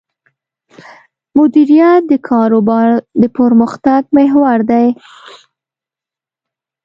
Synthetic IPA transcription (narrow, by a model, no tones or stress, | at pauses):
mʊd̪iɾijat̪̚d̪əkʰɑɾobɑɾd̪əpəɾməxt̪aɡ̚meɦwaɾd̪aj